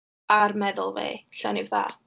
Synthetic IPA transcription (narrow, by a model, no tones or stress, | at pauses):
armɛðʊlˠvḛɬɔnivða̰ː